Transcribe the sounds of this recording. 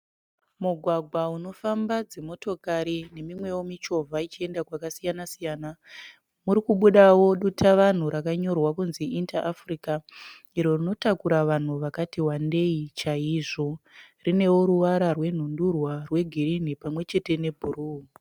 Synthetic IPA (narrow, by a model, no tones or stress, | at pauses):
muɡʱwaɡʱwauno̞fambad͡zemo̞to̞kaɾine̞mimwe̞womit͡ʃo̞vʱait͡ʃie̞ndakwakasijanasijaːna | muɾikuɓuɗawo̞ɗutaʋan̤uɾakaɲo̞rwakunziʔintaʔːfrika | iɾo̞rino̞takuɾaʋan̤uʋakatiwande̞it͡ʃaiʐo̞rine̞woɾuʋaɾarwe̞n̤undurwarwe̞ɡʱirin̤ipamwe̞t͡ʃe̞te̞ne̞bʱuruː